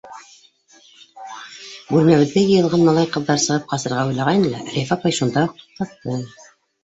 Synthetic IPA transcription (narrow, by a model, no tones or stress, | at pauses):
bʉɾmæβɘ̆ðːæjɤ̆jɤ̆lˠʁɑnmɑlˠɑjqɤ̆ðːɑɾsɤ̆ʁɤp̚qɑsɤ̆ɾʁɑujlˠɑʁɑj̪ɤlˠæɾʲefɑpɑjʃund̪ɑuq̚t̪u̥q̚t̪ɑt̚t̪ːɤ